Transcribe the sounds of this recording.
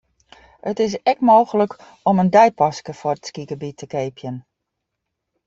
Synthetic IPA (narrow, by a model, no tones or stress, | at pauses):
ətɪs̬ɛkmoːɣələk | ɔməndɛjpɑskəfʊrəskikəbitʰəkeːpʰjən